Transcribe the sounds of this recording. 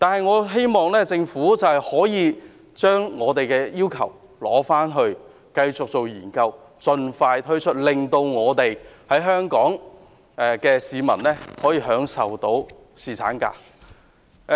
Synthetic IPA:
t̪aː˨nɦɐ˨jŋɔː˨˧ɦe˥jmɔː˨ŋlɛː˥t͡sɪ˧ŋfuː˨˥t͡sɐ˨whɐ˨jhɔː˨˥jiː˨˧ | t͡ʃœː˥ŋːɔː˨˧t̪e˨jkɛː˧jiː˥wkʰɐ˨˩w | lɔ̰ː˨˥faː˥nɦɵ˧ɥ | kɐ˧jt͡sʊ˨k̚t͡so˨wjiː˨˩nkɐ˧w | t͡ʃɵ˨˧nfaː˧jt̪ʰɵ˥ɥt͡ʃʰɵ˥t̚lɪ˨ŋt̪o˧wŋɔː˨˧t̪e˨jhɐ˨˥jɦœː˥ŋkɔː˨˥ŋ | ɛ˧kɛː˧siː˨˧mɐ̰˨˩nlɛː˥hɔː˨˥jiː˧ɦœː˨˥ŋsɐ˨wt̪o˨˥w | siː˨˩t͡sʰa̰ː˨˥nka̰ː˧˥

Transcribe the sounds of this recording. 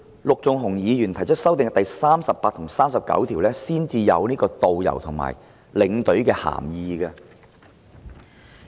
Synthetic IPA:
lʊ˨k̚t͡sʊ˨ŋɦʊ˨˩ŋjiː˨˧jyː˨˩nt̪ʰɐ˨˩jt͡ʃʰt̚sɐ˥wt̪ɪ˨ŋt̪ɐ˨jsaː˥msɐ˨pːaː˧t̚t̪ʰŋsaː˥msɐ˨˩p̚kɐ̰˨˥wt̪ʰiː˨˩wlɛː˥siː˥nt͡siː˧jɐ̰˨˧wniː˥kɔː˧t̪o˨wjɐ̰˨˩wt̪ʰʊ˨˩ŋma̰ː˨˩j | lɪ˨˧˥ŋt̪ɵ˨˥ɥkɛː˧ha̰ː˨˩mjiː˧ɡɐː˧

